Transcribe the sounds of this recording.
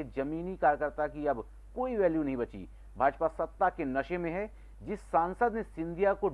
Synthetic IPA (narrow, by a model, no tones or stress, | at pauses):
ed͡ʒɐmiːnikaːɾjəkəɾt̪akiɐb | koːiʋɛːljunɐɦĩbɐt͡ʃḭ | bʱaːd͡ʒpasɐt̪ːakenɐʃẽmẽɦɛ | d͡ʒɪsːaːnsəd̪nesɪ̃nd̪ʱijako